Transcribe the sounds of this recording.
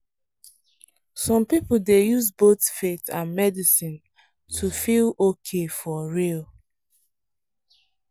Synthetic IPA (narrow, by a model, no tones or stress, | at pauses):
sɔ̃mpipldejuzbotfetãnmɛdisĩn | tʰufilokʰefɔɹil